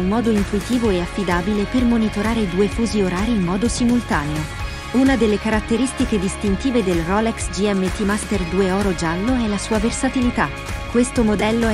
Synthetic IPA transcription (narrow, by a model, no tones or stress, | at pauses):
immɔːd̪oint̪uit̪iːvoeafːid̪aːbilepermonit̪oɾaːɾeid̪uːefuːzioɾaːɾiːmːɔːd̪osimult̪aːneo | unad̪elːekaɾat̪ːeɾist̪iked̪ist̪int̪iːved̪elrɔlɛksd͡ʒiɛmːet̪imast̪erd̪uːeɔːɾod͡ʒalːoɛlːasuːaversat̪ilit̪a | kːwest̪omod̪ɛlːo